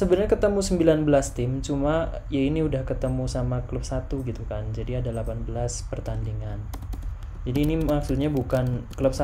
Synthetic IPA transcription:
səbənɲakət̪əmusəmbilanbəlast̪ɪmt͡ʃuma | jainiudahkət̪əmusamakələp̚sat̪uɡit̪ukand͡ʒadiadalapanbəlaspərt̪andiŋan | d͡ʒadiːnimaksut̪̚ɲabukankələp̚sa

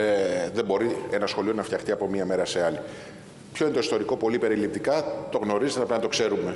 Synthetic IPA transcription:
eðe̞mbo̞ɾie̞nɐsxo̞lio̞nɐft̪çɐxt̪iɐpo̞miɐme̞ɾɐse̞ɐli | pço̞inet̪oist̪o̞ɾiko̞po̞lipe̞ɾilip̚t̪ikɐt̪o̞ɣno̞ɾizt̪enɐpɾɐnɐt̪okse̞ɾume̞

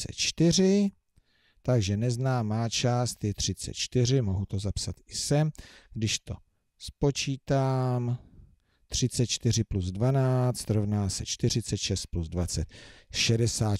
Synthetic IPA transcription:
t͡sɛ̰t̪t͡ʃt̪ɪr̝ɪ | t̪aɡʒɛnɛznaːmaːt͡ʃaːst̪jɛt̪r̝̥ɪt͡sɛ̰t̪̚t͡ʃt̪ɪr̝ɪmo̞ɦut̪o̞zapsat̪ɪsɛmɡdɪʃt̪o̞ | spo̞t͡ʃiːt̪aːm | t̪r̝̥ɪt͡sɛt̪̚t͡ʃt̪ɪr̝ɪpluzdvanaːt͡st̪ɾo̞vnaːsɛt͡ʃt̪ɪr̝ɪt͡sɛt̪ʃɛst̪̚pluzdvat͡sɛt̪̚ʃɛdɛsaː

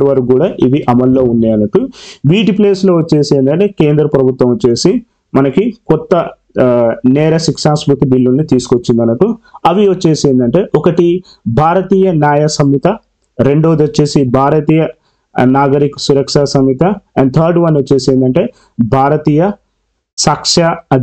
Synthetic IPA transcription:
ɖʋɐɾkɡuːɽaːʔiʋiʔɐmɐlːo̞ːunːɐːɐnɐʈuʋiːʈipleːsloːʋɐt͡ʃːe̞ːseːnd̪ɐɳʈe̞ːkeːnd̪ɾɐpɾɐbʱut̪ʋɐmɐt͡ʃːe̞ːsi | mɐnɐkikɔt̪ːɐ | nɛːɾɐsikʂaːnsbut̪ibilːunːit̪iːsu̥kot͡ʃːind̪ɐnːɐʈːuɐʋiʋɐt͡ʃːe̞ːseːnd̪ɐɳʈe̞ːʔɔkɐʈi | bʱaːɾɐt̪iːjɐnjaːjɐsɐmit̪ɐ | ɾe̞ɳɖo̞ːd̪ɐt͡ʃːeːsibʱaːɾɐt̪iːjɐ | naːɡɐɾikɐ̥suɾɐkʂaːsɐmit̪ɐɐɳɖt̪ʰɐːɾɖʋɐnɐt͡ʃːeːseːnd̪ɐɳʈe̞ː | bʱaːɾɐt̪iːjɐ | saːkʂaɐ

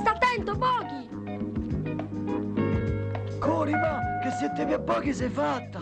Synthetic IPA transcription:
st̪at̪ːɛnt̪opɔːki | kʰoːɾimakesɛt̪ːeβjiapːɔːkisɛfat̪ːa

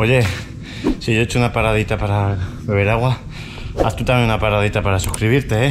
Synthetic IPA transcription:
o̞ʝe̞ | siʝo̞et͡ʃounapaɾaðit̪apaɾa | βeβeɾaɣwa | a̰st̪ut̪amjeŋunapaɾað̞it̪apaɾasuhkɾiβiɾt̪e̞e

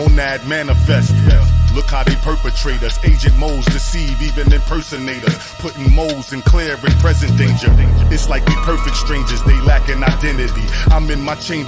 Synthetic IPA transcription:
ɔnæd̚mæ̃nəfɛstwɛlʊkʰaɨpʰɜ˞pɨtʰɹ̥eɪɾɨzeɪd͡ʒɨ̃t̚moʊlˠzdɨsivivɨ̃nðɨ̃npʰɜ˞sɨneɪɾɨz̥ | pʰʊɾɪ̃ŋmoʊlˠzɨ̃nkʰl̥ɛɹvɨ̃npʰɹ̥ɛzɨ̃nd̥ẽɪ̃nd͡ʒə˞ɨtslaɪk̚ðɨpʰɜ˞fɨk̚tstɹ̥ẽɪ̃nd͡ʒə˞zðeɪlækɨ̃naɪdɛ̃nɨɾiãɪ̃mɨ̃nmaɪt͡ʃʰẽɪ̃

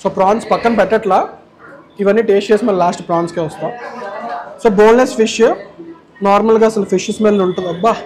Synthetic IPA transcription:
soːpɾaːɳʈspɐkːɐnpɛʈːɐʈlaː | iʋɐnːiːʈeːʃeːsimɐlɐlaːsʈpɾaːnskiʋɐst̪aːm | soːboːlnesfʰiʂj | naːɾmɐlɡaːɐsɐlɐfʰiʃismeːnnuɳʈund̪ɐbːaː

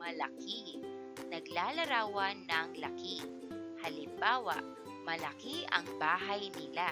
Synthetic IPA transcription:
mɐlaki | nɐɡlaːlɐɾaːwɐnːɐŋlaki | hɐlɪmbaːwa̰ʔ | mɐlɐkiʔɐ̰ŋbaːɦajnɪla

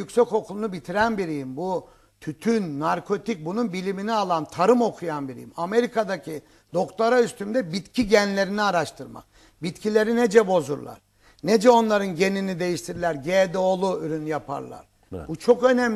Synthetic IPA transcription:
ycsɛco̞kʰulˠunubit̪ʰiɾænbiɾijimbu | t̪ʰyt̪ʰynːaɾkʰo̞t̪ic̚bununbilʲiminialˠant̪ʰaɾɯmo̞kʰujanbiɾḭjḭmame̞ɾikʰad̪acʰi | d̪o̞kt̪ʰaɾayst̪ymd̪ɛbit̪cʰiɟænlʲe̞ɾiniaɾaʃt̪ʰɯɾma̰k̚ | bit̪cʰilʲe̞ɾined͡ʒɛbo̞zuɾlˠa̰ɾ̥ | ned͡ʒɛo̞nlˠaɾɯnɟe̞ninid̪ejiʃt̪ʰiɾlʲæɾɟed̪ɛolˠuyɾynjapʰa̰ɾlˠa̰ɾ̥ | but͡ʃʰo̞kø̞næm

